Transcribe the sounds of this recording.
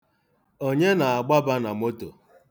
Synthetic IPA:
o˦ɲe˦na˨a˨ɡ͡ba˦ba˦na˨mo˦to̰˨

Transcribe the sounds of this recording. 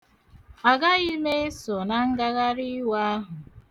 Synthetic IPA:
a˨ɡa˦i˦me˦e˦sɔ˨na˨ŋ̩˦ɡa˦ɣa˦ɾi˦wa˦a˦ɦʊ˨

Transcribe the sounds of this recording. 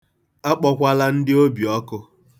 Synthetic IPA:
a˦k͡pɔ˦kʷa˦la˦n̩˦dɪ˦o˦bi˨ɔ˦kʊ˦

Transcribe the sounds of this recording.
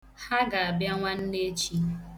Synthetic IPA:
ha˦ɡa˨a˨bja˦ŋʷa˦n̩˦ne˦t͡ʃi˦

